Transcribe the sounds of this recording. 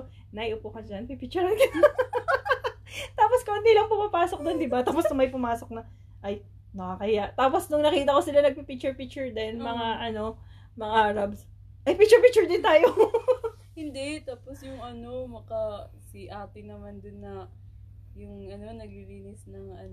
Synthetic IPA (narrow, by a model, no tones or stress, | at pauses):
nɐjʔʊpʊkɐd͡ʒanpipik̚t͡ʃʊɹɐnk | t̪aːposkɐɐnd̪ilɐŋpʊmapaːsok̚d̪ond̪ɪbat̪aːposnʊŋmɐjpʊmaːsok̚nɐ | ʔaj | nɐakɐjaʔt̪aːposnʊŋnɐkiːt̪ɐko̞sɪlanɐɡ̚pipik̚t͡ʃʊɹpik̚t͡ʃʊɹd̪ɛnmɐŋaʔɐno̞ | mɐŋaɾabs | ʔɐjpik̚t͡ʃʊɾpɪk̚t͡ʃʊɹd̪ɪnt̪aːjo | hɪnd̪ɛt̪aːposjʊŋʔɐnomɐka | sɪʔaːt̪ɪnɐmand̪ʊnːɐ | jʊŋʔɐno̞nɐɡiɾiːnɪsnɐŋʔɐn